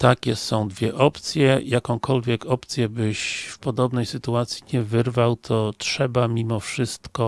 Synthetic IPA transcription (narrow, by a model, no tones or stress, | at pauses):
t̪akʲɛsɔ̃w̃d̪vʲjɛʔɔpt̪sʲjɛjakɔ̃w̃kʰɔlvʲjɛkɔpt̪sʲjɛbɘɕfpɔd̪ɔbnɛjsɘt̪uat̪sʲjiɲɛvɘɾvawt̪ʰɔtʂɛbamʲimɔfʂɘst̪kɔ